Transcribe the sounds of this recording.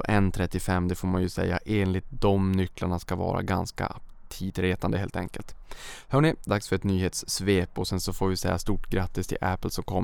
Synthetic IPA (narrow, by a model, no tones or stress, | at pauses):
ʔɛnt̪ʰɾɛt̪ːɪfɛmːd̪ɛfoːɾmanjɵsɛ̰jːa̰ʔeːnlɪt̪̚d̪ɔmnʏkːlaɳaskavɑ̰ːɾa̰ɡa̰nska̰t̪ʰiːd̪ɾeːt̪and̪əɦeːlt̪ʰɛ̰ŋkəlt̪hœːɳɪd̪aksfœɾɛt̪nyːheːt̪sːveːpɔsɛnsɔfoːɾvɪsɛjːast̪uːʈɡɾat̪ːɪst̪ʰɪ̰ʔæpːlsɔmkʰɔm